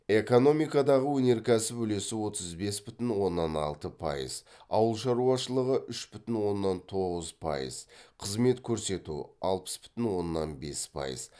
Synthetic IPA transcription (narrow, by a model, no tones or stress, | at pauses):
e̞ko̞no̞mijkɑd̪ɑʁəwɵne̞ɾkʲʰæsɪpɵle̞sɪwo̞t̪əzbe̞sbʏt̪ɪnwo̞nːɑnɑ̰lˠt̪əpʰɑ̰jə̰z | ɑwəlˠʃɑɾuɑʃəlˠəʁəʔʏʃbʏt̪ɪnwo̞nːɑnt̪ʰo̞ʁəzpʰɑ̰jə̰z̥qʰəzme̞t̪kʲʰɵɾse̞t̪ṵɑ̰lˠpə̥sbʏ̥t̪ɪnwo̞nːɑnbe̞̰spʰɑ̰jə̰z̥